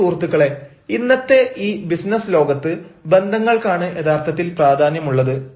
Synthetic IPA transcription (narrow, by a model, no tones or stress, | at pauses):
uːrt̪ːuɣɐɭe̞ | inːɐt̪ːe̞ʔiːbisnɐslo̞ːɡɐt̪ːɨbe̞nd̪ʱɐŋːɐɭkaːɳɨʔed̪aːrt̪ʰɐt̪ːilpraːd̪ʱaːnjɐmuɭːɐðɨ